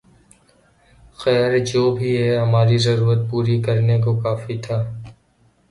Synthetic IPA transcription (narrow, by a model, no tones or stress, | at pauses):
xɛːɾd͡ʒoːbʱiɦɛɦɐmaːɾizɐɾuːɾət̪̚puːɾikɐɾnekokaːfit̪ʰaː